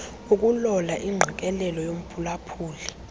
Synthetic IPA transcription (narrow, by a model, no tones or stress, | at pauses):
uk̬ʼulɔlaʔiŋ͡ǁʱik̬ʼɛlɛlɔjom̩pʰulapʰuːli